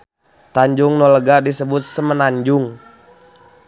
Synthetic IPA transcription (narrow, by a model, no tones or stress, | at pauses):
t̪aɲd͡ʒʊŋnɔləɡadisəbʊt̪̚səmənaɲd͡ʒʊŋ